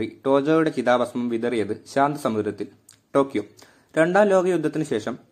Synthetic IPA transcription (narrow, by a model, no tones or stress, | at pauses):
riʈo̞ːd͡ʑoːjuɽe̞t͡ɕiðaːbɐsmɐmʋid̪ɐrijɐðɨɕaːnd̪ʱɐsɐmuɾɐt̪ːil | ʈo̞ːkjoː | ɾe̞ɳɖaːmlo̞ːɡɐjud̪ʱːɐt̪ːinɨɕe̞ːʂɐm